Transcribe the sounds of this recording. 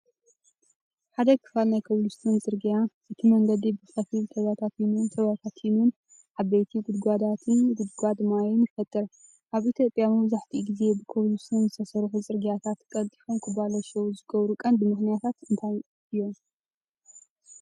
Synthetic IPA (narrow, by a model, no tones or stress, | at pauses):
ħad̪ɐkʰɨ̥falnajkʰɐβlust̪ʰɨnt͡sʼɨɾɡijaʔɨt̪ʰimɐŋɡɐd̪ibɨxɐfilt̪ʰɐβat̪ʰat̪jinunt̪ʰɐβat̪ʰat̪jinun | ʕaβejt̪ʰiɡud̪ɡʷad̪at̪ʰɨnɡud̪ɡʷad̪majunɪfɐt̪ʼːɨɾ | ʔaβʔit̪ʰjopʼjamɐβzaħt̪ʰiɡize̞bɨkʰɐβlust̪ʰɨnzɨt̪ʰɐsɐɾħuzʼɨɾɡijat̪ʰat̪kʼɐlt̪ʼiħomkʰɨbalɐʃɐwuzɨɡɐβɾukʼɐnd̪ɨmɨxnijat̪ʰat̪ɨnt̪ʰaj | ɨjːo̞m